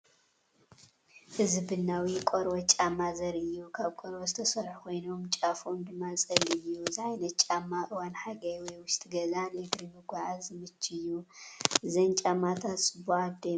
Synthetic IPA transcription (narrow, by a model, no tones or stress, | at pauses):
ʔɨzɨbɨnːawikʼoɾwɐt͡ʃʼamːazɐɾɨjːukʰaβkʼoɾwozɨt̪ʰɐsɐɾħkʰo̞jno̞mt͡ʃʼafomd̪ɨmːat͡sʼɐlɨjːuzɨʕajnɐtt͡ʃʼamːaʔɨwanħaɡɐjwɔjwʊʃt̪ʰʼiɡɐzanɨɡɾimɨɡʷaʕazɨmɨt͡ʃʰʼːɨjːu | zɐnt͡ʃʼamːat̪ʰat̪sʼɨbuad̪e